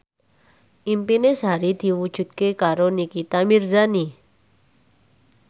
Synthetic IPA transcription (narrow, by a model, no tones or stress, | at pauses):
ʔimpinesɦaɾid̪̥i̤wud̥ʒ̥ṳt̪̚kekaɾonikit̪amirzani